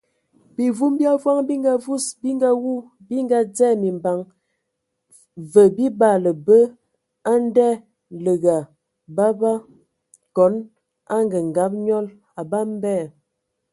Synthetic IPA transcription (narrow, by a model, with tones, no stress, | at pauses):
bi˨vu˦mbja˦vwa˦ŋbi˦ŋɡa˦vu˦sbi˦ŋɡa˦wu˦˨ | bi˦ŋɡa˦d͡zɛ˦mi˨mba˨ŋ | və˨bi˦ba˦˨lə˨bə˦ | a˦n˦dɛ˦ | lə˨ɡa˨ | ba˦ba˦ | kɔ˨˦n | a˦ŋɡə˨ŋ˨ɡa˨˦p̚ɲɔ˦l | a˨ba˦m˦bɛ˦˨